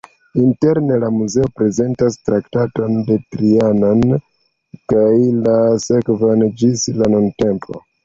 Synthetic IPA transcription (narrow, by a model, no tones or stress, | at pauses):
inte̞ɾne̞lamuze̞o̞pɾe̞ze̞ntastɾaktato̞nde̞tɾianon | kajlase̞kvand͡ʒislanunte̞mpʰo̞̰